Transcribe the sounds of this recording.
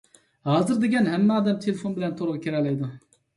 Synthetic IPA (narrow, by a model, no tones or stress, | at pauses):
hɑːzɨɾd̪eɡʲɛnɦɛmːɛɑːd̪ɛmt̪ʰelɪfonbɪlɛnt̪ʰoɾʁɑkʲʰeɾɛlɛjd̪u